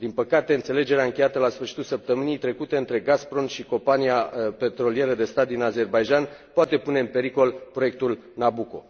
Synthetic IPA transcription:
d̪inpəkat̪e̞ɨnt̪se̞le̞d͡ʒe̞ɾeaɨŋkʲe̞jat̪əlasfɨrʃit̪ulsəp̚t̪əmɨnijt̪ɾe̞kut̪e̞ɨnt̪ɾe̞ɡaspɾo̞nʃiko̞mpaniape̞t̪ɾo̞lije̞ɾəd̪e̞st̪at̪̚d̪inaze̞rbajʒanpoat̪e̞pune̞ɨmpe̞ɾiko̞lpɾo̞jek̚t̪ul | nabuko̞̰

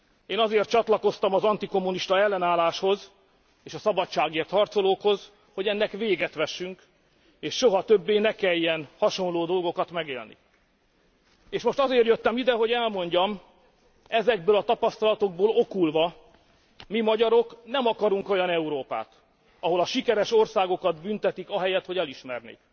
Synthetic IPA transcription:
eːnɒzeːrt̪̚t͡ʃɒt̪lɒko̞st̪ɒmɒzɒnt̪iko̞mːuniʃt̪ɒɛlːɛnaːlaːʃho̞z | eːʃɒsɒbɒtt͡ʃːaːɡeːrt̪hɒrt̪so̞loːkho̞z | ho̞ɟɛnːɛkʋeːɡɛt̪ʋɛʃːyŋk | eːʃːo̞ɦɒt̪øbːeːnɛkɛjːɛnhɒʃo̞nloːd̪o̞lɡo̞kɒt̪mɛɡḛːlnḭ | eːʃmo̞ʃt̪ɒzeːrjøt̪ːɛmid̪ɛɦo̞ɟɛlmo̞ɲɟɒm | ɛzɛɡ̚bøːlɒt̪ɒpɒst̪ɒlɒt̪o̞ɡ̚boːlo̞kulvɒ | mimɒɟɒɾo̞knɛmɒkɒɾuŋko̞jɒnɛuɾoːpa̰ːt̪ | ɒɦo̞lɒʃikɛɾɛʃo̞rsaːɡo̞kɒd̪bynt̪ɛt̪ikɒɦɛjɛt̪ho̞ɟɛliʃmɛrnḛːk

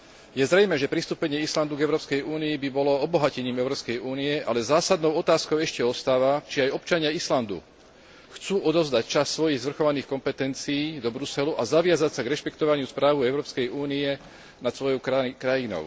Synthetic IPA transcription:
jɛzɾɛjmɛːʒɛpɾist̪uːpɛɲɪɛisland̪uɡɛʊɾɔːpskɛjuːniibibɔlɔɔbɔɦacɛɲiːmɛʊɾɔːpskɛjuːniɛʔalɛzaːsad̪nɔʊɔt̪aːskɔʊɛʃcɛɔst̪aːʋat͡ʃiajɔpt͡ʃaɲɪaisland̪ṵ | xt͡suːʔɔd̪ɔʊzd̪act͡ʃasːʋɔjiɣzʋr̩xɔʋaniːxkɔmpɛt̪ɛnt͡siiːd̪ɔbɾusɛluʔazaʋɪazacsaɡɾɛʃpɛkt̪ɔʋaɲɪuspɾaːʋuɛʊɾɔːpskɛjuːniɛ | nat̪sʋɔjɔʊkɾajinɔ̰ʊ

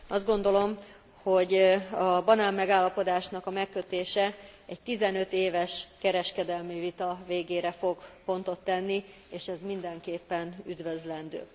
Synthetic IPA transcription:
ɒzd̪ɡo̞nd̪o̞lo̞m | ho̞ɟɒbɒnaːmːɛɡaːlːɒpo̞d̪aːʃnɒkɒmɛkːøt̪eːʃɛɛɟ̚t̪izɛnø̞t̪eːvɛʃkɛɾɛʃkɛd̪ɛlmivit̪ɒveːɡeːɾɛfo̞ɡpo̞nt̪o̞t̪ːɛnːi | eːʃɛzmind̪ɛŋkeːpːɛnyd̪vøzlɛnd̪ø̰ː

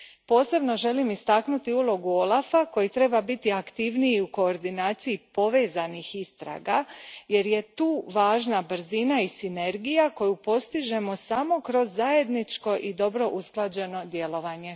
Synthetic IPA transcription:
po̞ːse̞bno̞ʒe̞limist̪aknut̪iulˠo̞ɡuo̞lˠafako̞jit̪ɾe̞babit̪iakt̪iʋniiuko̞ːɾd̪inaːt̪sijipo̞ʋe̞ːzanixist̪ɾa̰ːɡaje̞ɾje̞t̪uːʋaːʒnabɾ̩zinaisine̞ɾɡijako̞jupo̞st̪iʒe̞mo̞samo̞kɾo̞zːaje̞d̪nit͡ʃko̞ʔid̪o̞bɾo̞ʔusklˠad͡ʑe̞no̞d̪je̞lo̞ʋaɲe̞

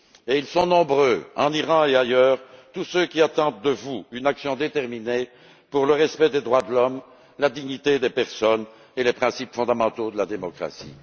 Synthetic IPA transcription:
eilsɔ̃nɔ̃bʁøɑ̰̃niʁɑ̃eajœːʁt̪usøkʲiat̪ɑ̃d̪̚d̪əvuynaksjɔ̃d̪et̪ɛʁmine | puʁləʁɛspɛd̪ed̪ʁwad̪əlɔm | lad̪iɲit̪ed̪epɛʁsɔn | elepχɛ̃sipfɔ̃d̪amɑ̃t̪od̪əlad̪emɔkχa̰sḭ

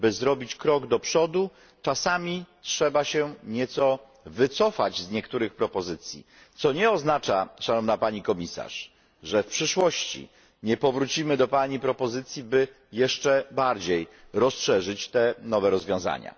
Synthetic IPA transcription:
bɘzɾɔbʲit͡ɕkɾɔɡd̪ɔpʂɔd̪u | t͡ʂasamʲitʂɛbaɕɛɲɛt̪sɔ | vɘt̪sɔfad͡ʑzɲɛkt̪uɾɘxpɾɔpɔzɘt̪sʲjḭ | t̪sɔɲɛɔznat͡ʂaʂanɔvnapaɲikɔmʲisa̰ʂ | ʐɛfpʂɘʂwɔɕt͡ɕḭ | ɲɛpɔvɾut͡ɕimɘd̪ɔpaɲipɾɔpɔzɘt̪sʲjibɘ | jɛʂt͡ʂɛbaɾd͡ʑej | ɾɔsʂɛʐɘt͡ɕt̪ɛnɔvɛɾɔzvʲjɔ̃w̃za̰ɲa̰

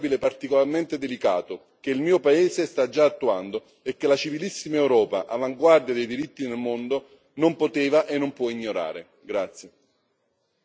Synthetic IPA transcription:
bilepːart̪ikolarment̪ed̪elika̰ːt̪o | k̟eilmiːopaeːsest̪ad͡ʒːaːt̪ːuand̪o | ekːelat͡ʃivilisːimaewɾɔːpa̰ʔavaŋɡward̪jad̪ejd̪iɾit̪ːinelmond̪o | nompot̪eːvaʔenːompwɔiɲːoɾa̰ːɾe | ɡɾat̪sːje

